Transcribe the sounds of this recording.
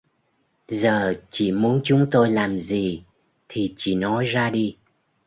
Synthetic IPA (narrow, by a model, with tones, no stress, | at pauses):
zəː˨˩t͡ɕḭ˧˩mu˨˦ənt͡ɕʊ˨˦ŋ͡mt̪o˧jlaː˨˩mzi˨˩ | t̪ʰi˨˩t͡ɕḭ˧˩nɔ˨˦jzaː˧ɗi˧